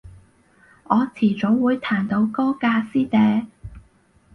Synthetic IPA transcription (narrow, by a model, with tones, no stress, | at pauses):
ʔɔː˨˧t͡sʰiː˨˩t͡so˨˥wwuː˨˧jt̪ʰaː˨˩nt̪o˨˧wkɔː˥kaː˧siː˥t̪ɛː˨˧